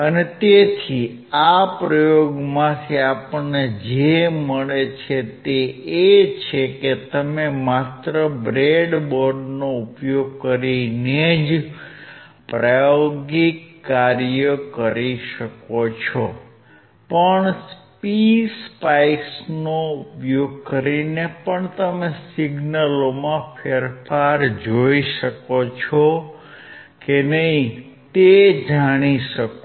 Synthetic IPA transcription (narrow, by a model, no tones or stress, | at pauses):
ənet̪et̪ʰi | apɾəjoɡmãt̪ʰiapəed͡ʒeməɭet͡ʃʰet̪eet͡ʃʰeket̪əmemat̪ɾəbɾeɖboɾɖnoupjoɡ̚kəɾined͡ʒ | pɾajoɡikːaɾjəkəɾiʃəkot͡ʃʰɔ | pəɳspispaisnoupjoɡ̚kəɾinepəɳt̪əmesiɡnəlomãpʰeɾfaɾd͡ʒoiʃəkot͡ʃʰɔ | kenəɦĩ | t̪ed͡ʒaɽ̃iʃək